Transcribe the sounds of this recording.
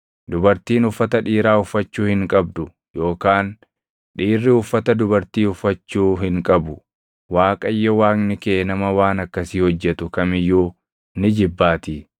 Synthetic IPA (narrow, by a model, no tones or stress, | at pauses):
d̪ʊbɐɾt̪iːnʊfːɐt̪ɐᶑiːɾaːʊfːɐt͡ʃːuːhɪŋkʼɐb̚d̪ʊ | jo̞ːkaːn | ᶑiːrːɪʊfːɐt̪ɐd̪ʊbɐɾt̪iːʊfːɐt͡ʃːuːɦɪŋkʼɐbʊ | waːkʼɐjːɔwaːŋnɪkeːnɐmɐwaːnɐkːɐsiːhɔd͡ʒːɛt̪ʊkɐmɪjːuː | nɪd͡ʒɪbːaːt̪ɪ